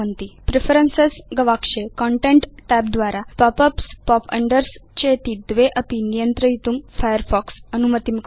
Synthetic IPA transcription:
ənt̪ipɾefəɾənsesɡɐʋakʂekɔɳʈẽɳʈʈɛp̚d̪ʋaɾapɔpəpspɔpɐ̰ɳɖəɾst͡ɕet̪iːd̪ʋeʔɐpinijənt̪ɾəjit̪uːmfajəɾfɔksənumət̪imk

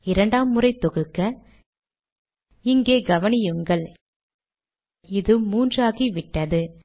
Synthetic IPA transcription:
ɪɾɐɳɖaːmːɯrɐɪt̪ɔɣɯkːɐ | ɪŋɡeːɡɐʋɐnɪjɯŋɡɐɭ | ɪðɯmuːndraːɣiʋɪʈːɐðɯ

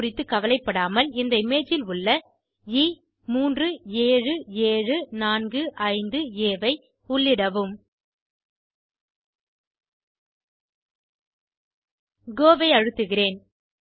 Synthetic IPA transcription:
rɪt̪ːɯkɐʋɐlɐɪpːɐɽaːmɐlɪnd̪ɐɪmeːt͡ʃːɪlʊɭːɐ | iː | muːndrɯeːɻɯeːɻɯnaːnɡɯʔɐɪnd̪ɯeːʋɐɪ | ʊɭːɪɽɐʋɯm | ɡoːʋɐɪɐɻɯt̪ːɯɣɪreːn

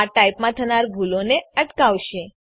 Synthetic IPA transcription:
aʈajpmãt̪ʰənaɾɡʱuloneəʈkaʋʃe

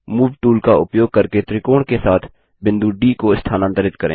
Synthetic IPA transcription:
muːʋʈuːlkaʊpjoːɡ̚kɐɾket̪ɾɪkoːɳkesaːt̪ʰ | bɪ̃nd̪uɖiːkoɪst̪ʰaːnãnt̪əɾɪt̪̚kɐɾḛ̃ː

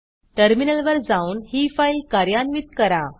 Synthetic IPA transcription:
ʈəɾminəlʋəɾd͡zauːnɦifailkaɾjanʋit̪̚kəɾa

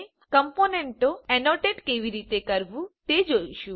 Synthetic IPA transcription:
kəmponeɳʈoɛnoʈeʈkeʋiɾit̪ekəɾbũt̪ed͡ʒojʃũ

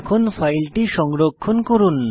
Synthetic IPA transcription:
kʰonfajlʈiʃɔŋɾokʰːonkoɾun

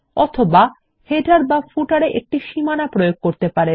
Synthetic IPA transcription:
ɔt̪ʰoba | heʈaɾbafuʈaɾeʔek̚ʈiʃimanapɾojoɡ̚koɾt̪epaɾe

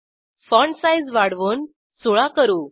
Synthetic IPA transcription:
fɔɳsajd͡zʋaɽʋoːn | soɭakəɾuː

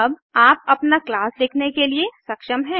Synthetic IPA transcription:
ɐbaːp̚ɐpnaklaːslɪkʰnekeliesɐkʃəmɦɛ̃ː

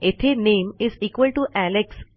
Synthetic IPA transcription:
et̪ʰenẽmiziːkʋəlʈuʔæleks

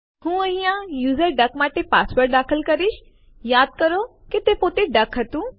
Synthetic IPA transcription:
hũːɐɦĩjãjuːzəɾɖɐkmaːʈepaːspəɾʈ̚d̪aːkʰəlkɐɾiʃ | jaːd̪̚kəɾoket̪epoːt̪eɖɐkʰɦɐt̪ũː

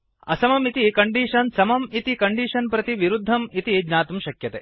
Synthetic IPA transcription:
ɐ̰sɐmɐmit̪ikɐɳɖiːʂɐnsɐmɐmit̪ikɐɳɖiːʂɐnpɾɐt̪iʋiɾud̪ʱːɐmit̪id͡ʒnaːt̪umʃɐkjɐt̪eː

